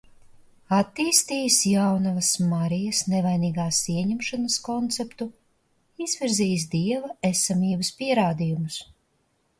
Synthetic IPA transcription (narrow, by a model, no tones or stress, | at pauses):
at̪ːiːst̪iːjsjawnavɐsmaɾijɐsnɛvajniːɡaːsiɛɲɛmʃanɐskɔnt̪sɛpt̪u | iz̥vʲiɾziːjs̬d̪iɛvɐesamiːbɐspiɛɾaːd̪ijumus